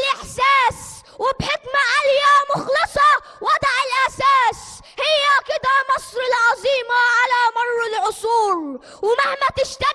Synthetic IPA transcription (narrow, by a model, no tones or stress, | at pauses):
lʔɪħsaːs | wɪbħɪkmaʕaljamʊxlɨsˤɑ | wɑd̪ˤʕɪlʔasaːs | hɪjːakɪd̪amɑsˤɾɪlʕɑzˤiːmaʕalamɑrˤːɪlʕʊsˤuːɾ | wmahmat̪ɪʃt̪a